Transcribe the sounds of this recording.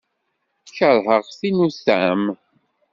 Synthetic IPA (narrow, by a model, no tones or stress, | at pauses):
çəɾˤɦəʁθinusæ̰m